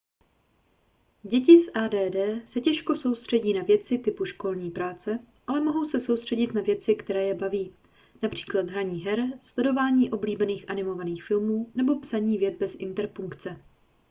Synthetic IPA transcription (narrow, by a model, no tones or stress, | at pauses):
ɟɛcɪsʔaːdɛːdɛːsɛcɛʃko̞so̞wst̪r̝̥ɛɟiːnavjɛt͡sɪt̪ɪpuʃko̞lɲiːpɾaːt͡sɛ | ʔalɛmo̞ɦowsɛso̞wst̪r̝̥ɛɟɪt̪navjɛt͡sɪkt̪ɛɾɛːjɛbaviː | napr̝̥i̥ːklad̪ɦɾaɲiːɦɛɾslɛdo̞vaːɲiːʔo̞bliːbɛniːxʔanɪmo̞vaniːxfɪlmuːnɛbo̞psaɲiːvjɛt̪̚bɛsʔɪnt̪ɛɾpuŋkt͡sɛ